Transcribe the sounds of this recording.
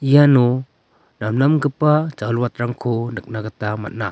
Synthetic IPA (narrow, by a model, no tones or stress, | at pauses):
ijanu | namnamɡɯpad͡ʒalwat̪̚ɾaŋkʰunɯk̚naɡat̪ama̰t̚na